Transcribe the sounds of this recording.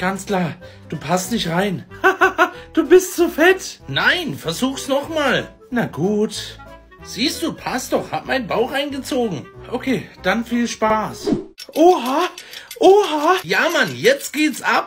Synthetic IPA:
ɡ̥ant͡skl̥aːɐ | d̥uːpʰastnɪçtʁaɪnhad̥uːbɪstz̥ofɛtnaɪnfɛɐzuːxsnɔχmaːl | naɡuːt | z̥iːstd̥uːpʰastd̥ɔχhatmaɪnbaʊxaɪnɡət͡soːɡŋ̩ʔokʰeːd̥anfiːlʃpaːsʔoɦaʔoːɦajaːmanjɛt͡stɡ̥eːtsʔap̚

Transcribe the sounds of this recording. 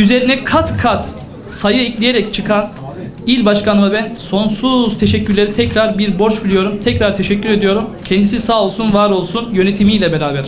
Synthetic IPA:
yze̞ɾinɛkʰat̪kʰat̪ | sajɯiclʲije̞ɾɛct͡ʃʰɯkʰan | ilʲbaʃkʰanɯmabænso̞nsuz̥t̪ʰeʃɛcːyɾlʲe̞ɾit̪ʰɛcɾaɾbiɾbo̞ɾt͡ʃbilʲijo̞ɾumt̪ʰɛcɾaɾt̪ʰe̞ʃɛcːyɾe̞d̪ijo̞ɾumcʰɛnd̪isisaːo̞lˠsunvaɾo̞lˠsunjø̞net̪ʰimijlʲɛbeɾaːbæɾ̥

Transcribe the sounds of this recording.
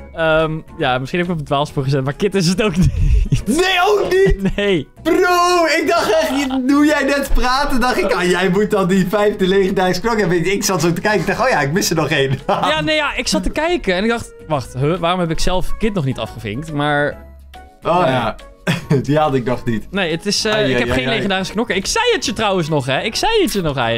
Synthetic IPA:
əmjamɪsχinhɛbɪkɔpətʋaːlˠfspuɹχəzɛtmaɹkɪtɪs̬ətowknitnejowkninejproɪk̚dɑχtɛχədujɛjnɛtpraːtəndɑχɪkajɛjmut̚dɑndifɛjftəlejχəndɛjsklokɛbɪɪksɑtok̚təkɛjkɪɡ̚dɑχtoːjaɪkmɪsənɔχejnjanejaʔɪksɑtəkɛjkəɛnɪɡ̚dɑχt | ʋɑχtɦøʋaːrɔmɦɛpɪksɛlˠfkɪtnɔχnitɑ̰fχəvɪ̰ŋktmaːɹ | oja | diɑdɪk̚nɔχnitnejətɪsɪkɛχejnlejχəndaːrɪsəknɔkəɪksɛjətjətrʌwənsnɔχɛɪksɛjətjənɔχɛ̰

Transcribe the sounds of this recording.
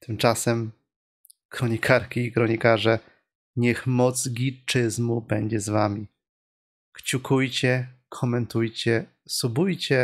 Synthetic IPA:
t̪ʰɘmt͡ʂasɛm | kɾɔɲikʰaɾkʲiːkɾɔɲikaʐɛ | ɲɛxmɔt̪zsɡʲit͡ʂɘzmubɛɲd͡ʑɛzvamʲi | kt͡ɕukʰujt͡ɕɛkʰɔmɛnt̪ujt͡ɕɛ | subujt͡ɕɛ

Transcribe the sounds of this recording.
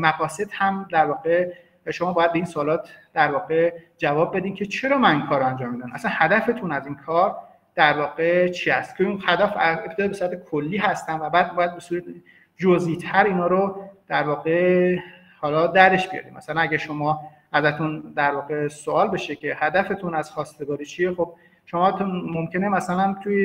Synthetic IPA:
mæɣɒːse̞d̪̥hæmd̪æɾvɒːɣe | ʃo̞mɒːbɒːjæd̪̚beinsoːlɒːt̪ʰd̪æɾvɒːɣe̞d͡ʒævɒːbːe̞d̪iːmcʲʰe̞t͡ʃʰe̞ɾɒːmæninkʰɒːɾoænd͡ʒɒːmːiːd̪ænmʔæ̰sænhæd̪æfe̞t̪ʰunæziːnkʰɒːɾ | d̪̥æɾvɒːɣe̞t͡ʃʰiːæst̪cʰeinhæd̪æfæep̪̚ʰeɒebesuɾæt̪ʰekʰolːiːɦæst̪ænvæbæːd̪̚bɒːjæd̪̚be̞suːɾæt̪ | d͡ʒoziːt̪ʰæɾiːnɒːɾod̪̥æɾvɒːɣe | hɒːlɒːd̪æɾe̞ʃb̥ijɒ̰ɾḭmmʔæ̰sælænæɡɟæɾʃomɒː | ʔæzæt̪ʰund̪æɾvɒːɣe̞soɒːlbeʃecʰe̞hæd̪æfet̪ʰunæz̥xɒːst̪e̞ɡɒːɾiːt͡ʃʰiexob̥̚ | ʃomɒːt̪ʰmomcenemæsælænt̪ʰuje

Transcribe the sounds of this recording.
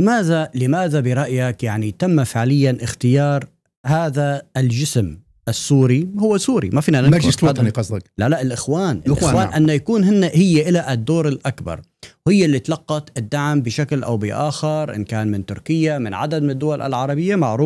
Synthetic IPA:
lɪmaːðalɪmaːðabɪɾˤɑʔjakjaʕnit̪amːafɪʕlɪjːanʔɪxt̪ɪjɑːɾˤ | haːðaɪld͡ʒɪsm | ʔɪsːuːɾihʊwːesuːɾḭmafiːnanɪsd̪qɑzˤlalaʔɪlʔɪxwaːnʔlwaːʔanːajakuːnɦɪnːahɪjːaʔɪlaʔɪd̪ːoːɾɪlʔakbɑ̰ɾˤ | hɪjːalːit̪lɑqːɑt̪ʔɪd̪ːaʕmbɪʃaklʔa̰wbɪʔaːxɪɾˤʔɪ̰nkaːnmɪnt̪ʊɾkɪjːamɪnʕa̰d̪ad̪̚mɪnɪd̪ːʊwalʔɪ̰lʕɑɾˤɑbɪjːamaʕɾuːf

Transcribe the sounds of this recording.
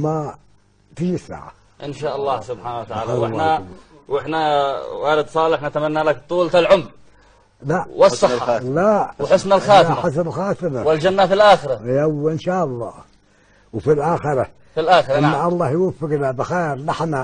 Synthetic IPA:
ma | t̪ɪd͡ʒisːa̰ːʕa̰ | ʔɪnʃaːʔɑlˤːɑːsʊbħaːnawat̪aʕaːlawʔɪħnawɪħnawaːlɪd̪sˤɑːlɪħnat̪amanːalak̚t̪ˤuːlt̪alʕʊmː | laʔwɑsˤːɑɑlawwħɪsnalxaːɪħas̬nalxaːt̪ɪmawɪld͡ʒanːafilʔaːxɪɾajawːʔɪnʃaːʔɑlˤːɑ̰ː | wfilʔaːxɪɾa | filʔaːxɾɪnːaʔɑlˤːɑːhjwʊfɪɡlalbaxaːɾlɪħna

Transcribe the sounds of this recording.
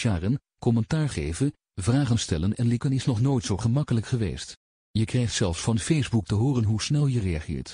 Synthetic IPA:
ʃaːrən | kɔmɛntaːɹχejvən | vraːχənstɛlənɛnlɪkənɪsnɔχnojtsowχəmɑkələkχəʋḛjst | jəkrɛjχtsɛlˠfsfɑnfejzbuk̚təɦʊːrənɦusnɛlˠjərejɑχɪ̰ːɹt

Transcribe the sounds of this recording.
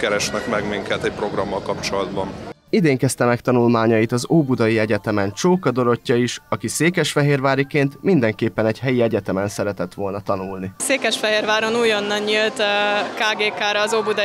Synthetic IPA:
kɛɾɛʃnɛkmɛɡmiŋkɛt̪ɛc̚pɾo̞ɡrɒmːɒlkɒpt͡ʃo̞lɒd̪bɒn | id̪eːŋkɛst̪ɛmɛkt̪ɒnulmaːɲɒjit̪ɒzoːbud̪ɒjiɛɟɛt̪ɛmɛnt͡ʃoːkɒd̪o̞ɾo̞cːɒiʃɒkiseːkɛʃfɛɦeːrvaːɾikeːnt̪mind̪ɛŋkeːpːɛnɛɟhɦɛjiɛɟɛt̪ɛmɛnsɛɾɛt̪ɛt̪ʋo̞lnɒt̪ɒnulniseːkɛʃfɛɦeːrʋaːɾonuːjo̞nːɒnɲilt̪kaːɡeːkaːɾɒːzoːbud̪

